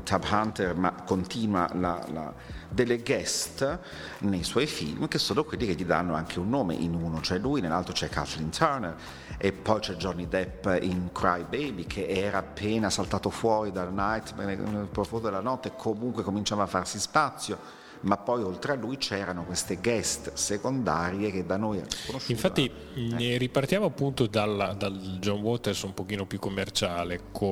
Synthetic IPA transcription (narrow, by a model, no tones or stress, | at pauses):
t̪ʰabhant̪ermakont̪iːnwa̰la̰la̰ | d̪elːeɡɛst̪ | nejswɔjfḭlmkesːoːnokwelːikeʎːid̪a̰nːoaŋkʰeunːoːmḛʔinunot͡ʃɛlːujnelːa̰lt̪ɾot͡ʃɛkːa̰t̪lint̪ʰɛɾner | epːɔjt͡ʃɛd͡ʒɔnːid̪ɛpːiŋkɾa̰jbejbikʰeʔɛːɾaːpːeːnasalt̪aːt̪ofwɔːɾid̪alnajt̪nḛnelpɾofond̪od̪elanɔt̪ːeekʰːomuŋkwekomint͡ʃaːvafːarsispat̪sːjo | mapːɔjolt̪ɾealːujt͡ʃɛːɾanokwest̪eɡɛst̪sekond̪a̰ːɾjek̟ed̪ːanojɛ̰konoʃiɱffaːi | ripart̪jaːmoapːunt̪od̪alːad̪ald͡ʒɔnwɔt̪ersumpokiːnopjukːomːert͡ʃaːlekʰo